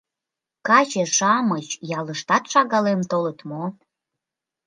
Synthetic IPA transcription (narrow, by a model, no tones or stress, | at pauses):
kɑt͡ɕeʃɑmət͡ɕjɑləʃt̪ɑt̪ʃɑɣɑlemt̪olət̪mo